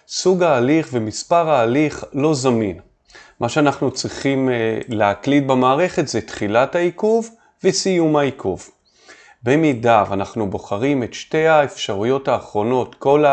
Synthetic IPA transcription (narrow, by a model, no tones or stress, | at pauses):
suɡaːliχvemispaʁaːliχlo̞zamin | maʃeanaχnut͡sʁiχimleaklit̚bamaːʁe̞χe̞tzetχilathaikuv | vesijumaikʰuv | bemidavanaχnubo̞χaʁime̞tʃte̞jaefʃaʁujo̞taːχʁo̞no̞tko̞la